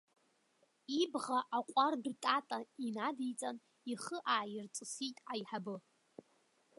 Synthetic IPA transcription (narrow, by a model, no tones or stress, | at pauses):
ibʁaʔaqʷʼardtʼatʼainadijt͡sʼan | iχəʔaːjirt͡sʼɨsitʼajħabɨ